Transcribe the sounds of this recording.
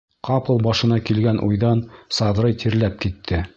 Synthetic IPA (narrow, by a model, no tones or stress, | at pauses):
qɑpɤ̆lˠbɑʃɤ̆nɑkilɡænʔṵjðɑnsɑðɾɤjt̪ʰiɾlæp̚kit̪ʰːɘ